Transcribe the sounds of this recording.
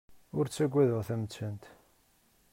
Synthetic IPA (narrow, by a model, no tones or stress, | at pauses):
ʊɾt͡sːæɡʷːæðʊʁθæmət͡sːənt̪